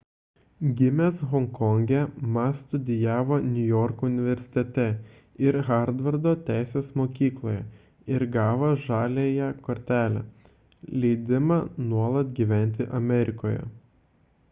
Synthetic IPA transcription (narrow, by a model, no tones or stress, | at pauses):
ɡʲɪmʲeːsɣɔŋkɔŋʲɡʲɛmɐst̪ʊd̪ʲɪjæːʋoːnʲʊjɔɾkoʊnʲɪʋʲɛɾʲsʲɪ̥t̪ʲɛt̪ʲɛ | ɪɾɣɑɾd̪ʋɐɾd̪oːt̪ʲæˑɪsʲeːsmoːkʲiːklˠoːjɛ | ɪɾɡɑːʋɐʒɑːlʲeːjɛkoɾʲt̪ʲæːlʲɛ̰ | lʲɛɪd̪ʲɪmɑnuɔlˠɐt̪ɡʲiːʋʲæˑnʲˑt̪ʲɪʔɐmʲɛɾʲɪkoːjɛ̰